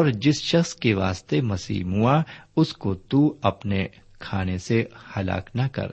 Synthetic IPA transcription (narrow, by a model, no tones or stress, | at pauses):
ɔːɾd͡ʒɪsʃɐxskeʋaːst̪emɐsḭːɦmuaʊskot̪uɐpne | kʰaːnesehɐla̰ːknɐkɐ̰ɾ